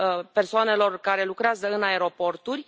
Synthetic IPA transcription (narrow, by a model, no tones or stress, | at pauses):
pe̞rsoane̞lo̞rkaɾe̞lukɾeazəɨnae̞ɾo̞po̞rt̪urʲ